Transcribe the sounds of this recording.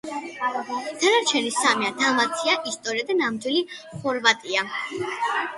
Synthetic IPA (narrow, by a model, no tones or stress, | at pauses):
d̪̥anaɾt͡ʃʰɛnisamiad̪amat̪sʰiaʔist̪ʼɔɾiad̪anamd̪wili | χɔɾvat̪ʼia